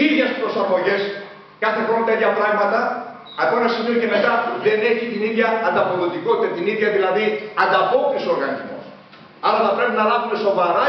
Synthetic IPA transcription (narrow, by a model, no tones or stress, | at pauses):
iðʝespɾo̞sɐmo̞ʝe̞s | kɐθexont̪eit̪çɐpɾɐɣmɐt̪ɐ | ɐkoenɐsimioce̞me̞t̪ɐpuðe̞neçit̪iniʝɐːnd̪ɐpo̞lot̪ikot̪i̥t̪et̪iniðjʝɐðilɐðiɐnd̪ɐpo̞t̪iso̞ɾɣɐnizmo̞̰s | ɐlɐθɐpɾepinɐlɐvume̞so̞vɐɾɐ